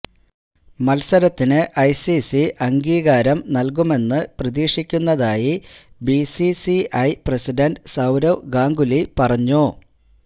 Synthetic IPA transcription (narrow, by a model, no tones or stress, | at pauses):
mɐlsɐɾɐt̪ːinɨʔɐjsisiʔɐŋɡiːɣaːɾɐmnɐlkume̞nːɨprɐðiːʂikʲːunːɐðaːji | bisisiɐjpresiɖɐnɖsɐwɾɐwɡaːŋɡulipɐrɐɲːo